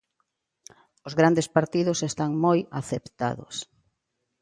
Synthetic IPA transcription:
ʊzɣɾand̪espaɾt̪iðʊsest̪aŋmoja̰θept̪a̰ðʊ̰s

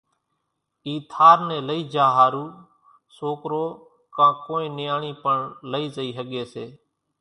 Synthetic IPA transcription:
iːt̪ʰaːɾnẽːləiːd͡ʒaːɦaːɾuː | soːkɾoː | kãːkoːẽːnɪjaːɳiːpəɳləiːzəiːɦəɠeːseː

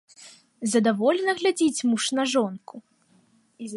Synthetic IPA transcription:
zɐd̪avɔlʲɛnɐɣlʲad͡zʲit͡sʲmuʂnɐʐɔnkʰu

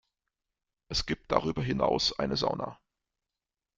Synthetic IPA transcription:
ʔɛsɡ̥iːp̚t̚d̥a̰ʁ̞yːbɐɦɪnaʊsʔaɪnəzaʊna

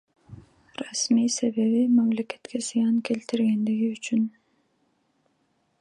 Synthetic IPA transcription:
rɑsmijse̞βe̞βimɑmle̞ke̞̥t̪kʰe̞zɨjɑŋke̞lt̪iɾɡe̞nd̪iɡiyt͡ʃyn

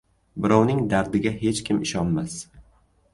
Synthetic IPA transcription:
bɪɾɒwnɪŋd̪aɾd̪ɪɡʲaɦe̞t͡ʃkʲʰɪmɪʃɒnmas

